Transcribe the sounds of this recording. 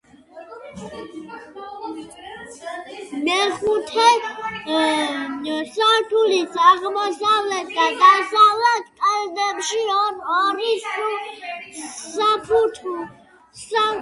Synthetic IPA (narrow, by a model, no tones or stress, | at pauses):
mɛχut̪ʰɛ | saɾt̪ʰulisʰaʁmɔsavlɛt̪̚ʰd̪ad̪asavlat̪ʰkʼɛld̪ɛbʃiɔnaɾisu | sapʰut̪ʰu | sa